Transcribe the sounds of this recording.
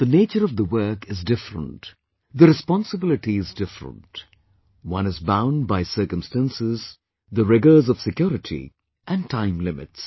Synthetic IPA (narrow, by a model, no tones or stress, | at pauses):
ð̥əneɪt͡ʃəɾʌvðəwɜ˞kɨzdɪfɾə̰̃nt | d̪əɾɨspɔ̃nsəbɪlɨʈiɨzdɪfɾə̰̃nt | wʌ̃nɨzbãʊ̃nbaɪsɜ˞kə̃mstæ̃nsɪz | ðəɹɪɡə˞zɔv̥sɨkjɔɾɨʈʰḭ | ʔæ̃ntʰãɪ̃mlɪmɪ̰ts